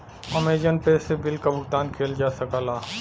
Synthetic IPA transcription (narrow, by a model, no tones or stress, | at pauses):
ɔmeːd͡ʒənpeːsebɪlkabʱʊɡt̪aːnkʰeːld͡ʒaːsɐkaːlaː